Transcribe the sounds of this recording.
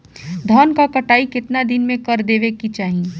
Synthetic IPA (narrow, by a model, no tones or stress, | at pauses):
d̪ʱɔːnkakɐʈaːikɪt̪nad̪ɪnmẽkɐɾd̪eːʋekit͡ʃaːɦie